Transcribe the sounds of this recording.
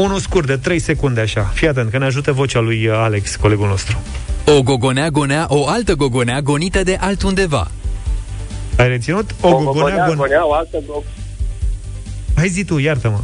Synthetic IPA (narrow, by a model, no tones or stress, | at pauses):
unuskurd̪e̞t̪ɾe̞jse̞kund̪eaʃafijat̪̬et̪kəneaʒut̪evo̞t͡ʃalujale̞ksko̞le̞ɡulno̞st̪ɾuo̞ɡo̞ɡo̞neaɡo̞neaʔoalt̪əɡo̞ɡo̞neaɡo̞nit̪əd̪e̞ʔalt̪und̪e̞va̰ | ajret̪sinut̪oɡɡoɡoneaɡonaoalt̪əɡoɡ | ajzit̪ujart̪əmə